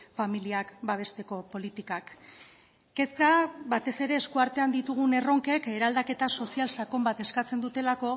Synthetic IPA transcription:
familiakbaβ̞e̞st̪e̞ko̞po̞lit̪ikakː | e̞skaβat̪e̞se̞ɾe̞ːskuaɾt̪e̞and̪it̪uɣ̞une̞ro̞ŋke̞ke̞ɾald̪ake̞t̪aso̞sialsako̞mbat̪e̞skat͡se̞nd̪ut̪e̞lako̞

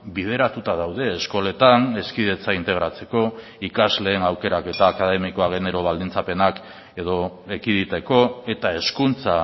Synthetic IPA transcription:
biðe̞ɾat̪ut̪aðawðe̞ːsko̞le̞t̪ane̞skiðe̞t͡saint̪e̞ɣ̞ɾat͡se̞ko̞ | ikazle̞ːnawke̞ɾake̞t̪aːkaðe̞miko̞aɣ̞ene̞ɾoβ̞ald̪int͡sape̞nak | e̞ð̞o̞ekiðit̪e̞ko̞e̞t̪ae̞skunt͡sa

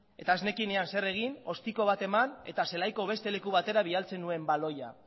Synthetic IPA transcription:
e̞t̪aːzne̞kine̞anse̞re̞ɣ̞ino̞st̪iko̞β̞at̪e̞mane̞t̪ase̞lajko̞β̞e̞st̪e̞le̞kuβat̪e̞ɾaβ̞ialt͡se̞nːue̞mbalo̞ja̰

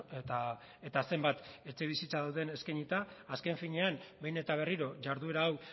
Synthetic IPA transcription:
t̪a | e̞t̪ase̞mbat̪e̞t͡seβ̞isit͡saðawð̞e̞ne̞skajɲit̪aːske̞ɱfiɲe̞ambe̞jne̞t̪aβ̞e̞riɾo̞ʝaɾðue̞ɾaːw

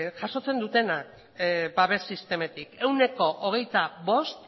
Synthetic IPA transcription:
ʝaso̞t͡se̞nd̪ut̪e̞nak | baβe̞sist̪e̞me̞t̪ike̞wne̞ko̞ʔoɣ̞e̞jt̪aβo̞st̪

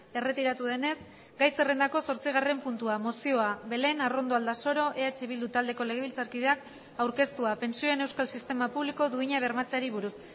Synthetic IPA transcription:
e̞re̞t̪iɾat̪uð̞e̞ne̞s | ɡajse̞re̞nd̪ako̞so̞ɾt͡siɣ̞are̞mpunt̪uamo̞sio̞aβe̞le̞naro̞nd̪o̞ald̪aso̞ɾo̞ʔe̞at͡ʃe̞βild̪ut̪ald̪e̞ko̞le̞ɣ̞e̞βilt͡saɾkiðe̞ak | awɾke̞st̪uape̞nsio̞e̞ne̞wskalsist̪e̞mapuβliko̞ðuiɲaβ̞e̞ɾmat͡seaɾiβuɾus

